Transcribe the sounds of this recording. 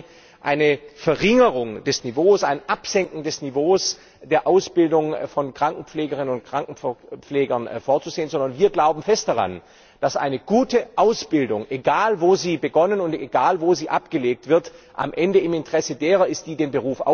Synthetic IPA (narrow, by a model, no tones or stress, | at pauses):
ʔaɪnəfɛɐʁɪŋəʁʊŋd̥ɛsnivoːsaɪnʔapz̥ɛŋkŋ̩dɛsnivoːs | d̥eːɐʔaʊsb̥ɪldʊŋfɔnkʁ̥aŋkŋ̩pp͡fleːɡəʁɪnənʊntkʁ̥aŋkŋ̩p͡fleːɡɐnfoːɐt͡suzeːənzɔndɐnviːɐɡlaʊbm̩fɛst̚d̥aʁa̰n | d̥asʔa̰ɪnəɡ̥uːtəʔaʊsb̥ɪldʊŋʔeɡaːlvoːziːbəɡɔnənʊnteɡaːlvoːziːʔapɡ̥əleːk̚tv̥ɪɐtʔa̰mʔɛndəɪmɪntəʁ̥ɛsədeːʁɐɪst̚d̥iːdeːnbəʁuːfʔa̰ʊ